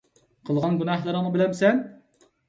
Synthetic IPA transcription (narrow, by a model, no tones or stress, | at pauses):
qʰəlˠʁɑnɡunɑhlˠɨɾɨnɨbɪlɛmsɛn